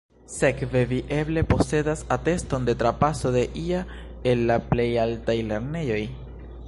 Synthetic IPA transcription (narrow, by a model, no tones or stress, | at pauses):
se̞kve̞viʔe̞ble̞po̞se̞dasate̞sto̞nde̞tɾapaso̞de̞ʔia | e̞lːaple̞jaltajle̞ɾne̞jo̞j